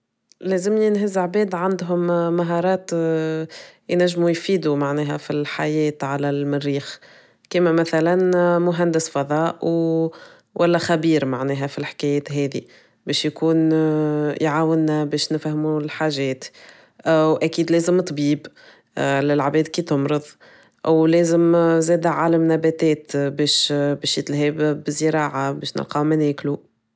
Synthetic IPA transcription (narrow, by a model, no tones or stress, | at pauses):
lɛːzɪmiɪnɦɪzʕbɛːd̪ʕand̪ɦʊmːaɦɑːɾˤɑːt̪ | jnæʒːmujfiːd̪umaʕnɛːɦæfilħajɛːt̪ʕalælmɪrːiːx | kiːmæmæθælænmʊɦænd̪ɪsfɑðˤɑːʔw | wʔælːɛxæbiːɾmaʕnɛːɦæfilħɪ̥kɛːjɛːt̪ɦɛːðḭ | bɛːʃjkuːn | jʕaːwɪnːæbɛːʃnɪfhmulħaːʒɛːt̪ | ʔæwʔækiːd̪lɛːzɪmt̪ˤbiːb | lɪlʕabɛːd̪kiːt̪ʊmɾɨðˤ | ʔwlɛːzɪmzɛːd̪æʕaːlamnæbæt̪ɛːt̪bɛːʃbɛːʃjɪt̪lhɛːbːɪzəɾɑːʕabɛːʃnɪ̰lqɑmænɛːklu